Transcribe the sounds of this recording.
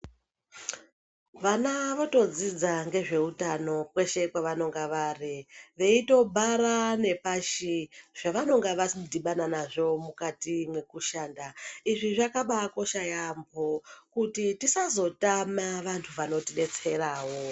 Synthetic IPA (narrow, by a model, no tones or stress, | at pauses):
ʋanaʋo̞to̞d͡zid͡zaŋɡe̞ʐe̞utano̞kwe̞ʃe̞kwaʋano̞ŋɡaʋariʋe̞ito̞bʱaɾane̞paʃiʐ̥aʋano̞ŋɡaʋasidʱiɓananaʐo̞mukatimwe̞kuʃaːndaiʐiʐakaɓako̞ʃajambʱokutitisazo̞tamaʋantʰuʋano̞tiɗe̞t͡se̞raːwo̞